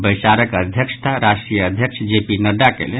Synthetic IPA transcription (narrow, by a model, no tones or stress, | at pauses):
bəjsaɾəkəd̪ʱjəksʰt̪ʰaɾasʈɾijəəd̪ʱjəksʰd͡ʒepinəd̪akḛle